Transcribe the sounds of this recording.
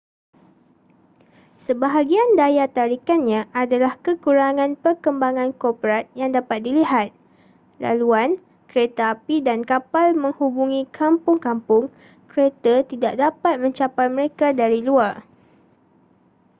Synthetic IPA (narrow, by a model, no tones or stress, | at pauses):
səbaɦaɡiandajat̪aɾikanɲãʔadalahkəkuɾaŋãnpərkəmbaŋãnkɔpəɾat̪̚jaŋdapat̪̚diliɦat̪̚ | la̰luan | kɾet̪aapidankapalmə̃ŋhubuŋĩkʰampʊŋkampʊŋ | kəɾet̪ət̪idaʔ̚dapat̪̚mə̃ɲt͡ʃapajmə̃ɾekadaɾiluar